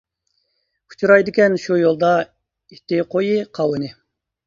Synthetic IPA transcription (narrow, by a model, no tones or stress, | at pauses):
u̥t͡ʃʰuɾɑjd̪ɪkʲɛnʃujolˠd̪ɑ | it̪ɪqʰojɨqʰɑwɨnɪ